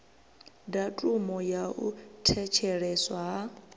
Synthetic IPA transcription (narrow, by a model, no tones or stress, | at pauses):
datʼumɔjaʔṵtʰɛt͡ʃʰɛɺɛswa